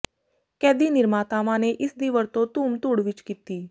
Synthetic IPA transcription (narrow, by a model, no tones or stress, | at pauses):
kɛːd̪iːnɪɾmaːt̪aːmãːneʔɪsd̪iːʋəɾt̪õt̪uːmt̪uːɽʋɪt͡ʃkiːt̪iː